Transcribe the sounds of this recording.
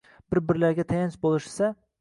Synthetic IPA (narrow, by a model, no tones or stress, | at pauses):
b̥ɪɾbɪɾlaɾɡʲat̪ʰajanʃbolˠɪʃsa